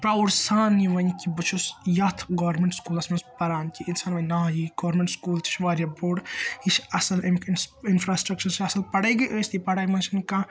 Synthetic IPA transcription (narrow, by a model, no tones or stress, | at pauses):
pɾauɾsaːnːiʋɐnʲkibɨt͡ʃʰusjɐt̪ʰɡɐʋɐɾmeɳʈskuːlɐsmɐnspɐɾaːnkʲiʔinsaːnʋɐnʲnaːjiɡoːɾmeɳʈskuːlt̪ʰi̥t͡ʃʰʋaːɾʲjaboːɽit͡ʃʰɐsɐlemikʰnsinfɾaːsʈɾɐk̚t͡ʃɐɾsiɐsɐlpɐɽɐjɡɐʔəːsʲt̪ipɐɽaːjmɐnt͡ʃʰɐnka